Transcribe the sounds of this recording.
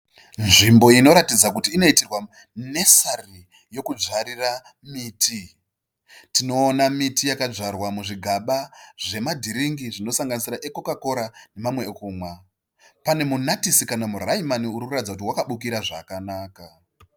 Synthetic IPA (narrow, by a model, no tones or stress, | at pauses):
nʐimbo̞ino̞ɾatid͡zak̬utiːno̞itirwa | ne̞sari | jo̞kud͡ʒaɾira | miːtʰi | tino̞ːnamitijakaʐarwamuʐiɡʱaɓaʐ̥e̞madʱiɾiŋɡiʐino̞saŋɡanisiɾaʔe̞ko̞kako̞ɾane̞mamwe̞kuːmwa | pane̞munatisikanamuraimaniuɾikuratid͡zakut̬iwakaɓukiɾaʐa̰kanaːka